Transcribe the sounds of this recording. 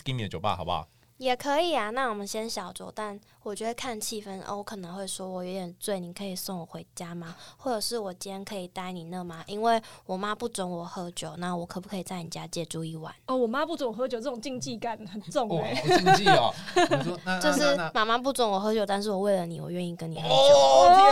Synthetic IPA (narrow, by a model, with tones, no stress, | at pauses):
ki˥˦mi˨ə˩t͡ɕjo˨ʊpa̰˧˩hɑ̰˨ʊba̰˨˩ | jɛ˨˩kʰɤ˧˥i˨˩a˩na˥˩wɔ˨˩mə˦nɕjɛ˥nɕjɑ˨˩ʊt͡swɔ̰˨˩ʊt̪a˥˩n | wɔ˨˩t͡ɕɥɛ˧˥dkʰa˥˧nt͡ɕʰi˥˧fə˦nʔo̰˩wɔ˧˦kʰɤ˨˩nə˧˦ŋxwe˥˩ɪʂwɔ˦wɔ˨jɔ˧˥jɛ˨˩nt͡swe˥˩ɪni˨˩kʰɤ˧˥i˨˩sɔ˥˩ŋwɔ˨˩xwe˧˥ɪt͡ɕja˥ma˧xwɔ˥˩ʈ͡ʂɤ˨˩ʂɻ̩˥˩wɔ˨˩t͡ɕi˦nɛ˧˥nkʰɤ˧˥i˨˩t̪a˥ɪni˨˩nə˥˧ma˦ʔi˦nwe˥˩ɪwɔ˨˩ma˦pu˥˩t͡sɔ˧˥ŋwɔ˨˩xɤ˧˥t͡ɕjo˨˦ʊna˥˨wɔ˨˩kʰɤ˨˩pu˥˩kʰɤ˧˥i˨˩t͡sa˥˩ɪni˨˩t͡ɕja˦˥t͡ɕjɛ˥˩ʈ͡ʂu˥˧i˥˧˩wa̰˨˩˦nɔ˥˩wɔ˨˩ma˦pu˥˩t͡sŋwɔ˨˩xɤ˧˦t͡ɕjo˨˩ʊʈ͡ʂɤ˥˩ʊ˨ŋt͡ɕi˥˧ŋt͡ɕi˥˩ka˨˦nhə˨˩nt͡sʊ˥˩ŋe˨˦ | t͡ɕjo˥˧ʊʂɻ̩˥˨ma˥ma˦p̬u˥˩t͡sɔ˧˥ŋwɔ˨˩xɤ˧˦˥t͡ɕjo˨˩ʊt̪a˥˧nʂ̬ɻ̩˥˩wɔ˨˩˦we˥˩ɪlə˩nḭ˨wɔ̰˨˩ɥɛ˥˧ni˥˩kə˦ni˨˩ə˦˧˦